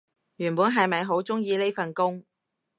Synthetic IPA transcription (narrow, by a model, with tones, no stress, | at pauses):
jyː˨˩npuː˨˥nɦɐ˨jmɐ˨jɦo˨˥wt͡sʊ˥ŋjiː˧le˥jfɐ˨nkʊ˥ŋ